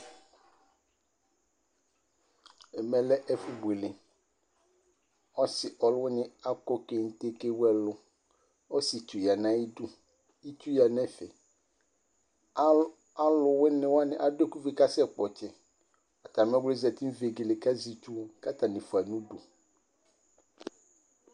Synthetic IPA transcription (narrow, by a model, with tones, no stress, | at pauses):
ɛ˨mɛ̃˨lɛ˦ʔɛ˦fu˨be˨lɪ̃˨ | ɔ˦sɪ˨ʔɔ˨lwʊ˦nɪ̃˦a˦kɔ˦ke˨n̩˦t̪e˦ke˦wɛ˨lʊ˨ | o˦si˨t̪u˨ja˨nã˦ji˦du˦ | i˦t̪u˦ja˨nɛ̃˦fɛ˨ | a˦lʊ˨wɪ˦nɪ̃˨wa˦nɪ̃˨ʔa˨do˦ku˦vi˨ka˦sɛ˦k͡pɔ˨t͡ʃɛ˦ | ɔ˨t̪a˨mɛ̃˦wle˦zɛ˨t̪i˦ve˨ɡe˨le˨ka˦zi˨t̪u˦ka˦t̪ã˨nɪ̃˨fu˨a˨nũ˦do˨